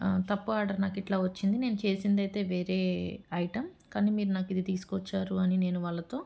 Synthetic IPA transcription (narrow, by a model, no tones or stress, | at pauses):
t̪ɐpːuaːɾɖɐɾnaːkiʈlaːʋɐt͡ʃːind̪ine̞ːnut͡ʃe̞ːsind̪ɐjt̪e̞ːʋe̞ːɾe̞ːɐjiʈɐmkaːniːmiːɾunaːkid̪it̪iːsu̥kɔt͡ʃːaːɾuɐnine̞ːnuʋaːlːɐt̪o̞ː